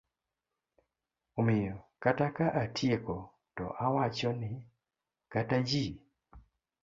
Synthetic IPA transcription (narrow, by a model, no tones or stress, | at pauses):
omɪjɔkatakaʔatʰjekɔ | tɔ̰ʔawat͡ʃɔnɪ | katad͡ʒi